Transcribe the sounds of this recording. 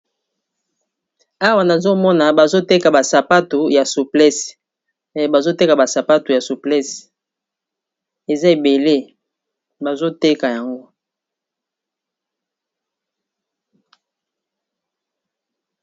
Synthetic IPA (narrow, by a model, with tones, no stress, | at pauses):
a˦wa˨na˨zo˦mɔ˦na˨ba˨zo˦te˦ka˨ba˨sa˨pa˦tu˨ja˨su˨plɛ˦s | ba˨zo˦te˦ka˨ba˨sa˨pa˦tu˨ja˨su˨plɛ˦s | e˨za˦e˨be˨le˦ | ba˨zo˦te˦ka˨ja˨ŋɡo˦